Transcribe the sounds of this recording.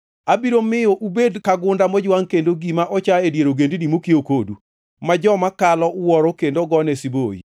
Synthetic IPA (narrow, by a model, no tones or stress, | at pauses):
abiɾomɪjoʔubedkaɡʊndamɔd͡ʒwaŋkendoɡimaʔɔt͡ʃaedjeɾoɡendinimokiokodu | mad͡ʒɔmakalɔwɔɾokendoɡɔnɛsiboḭ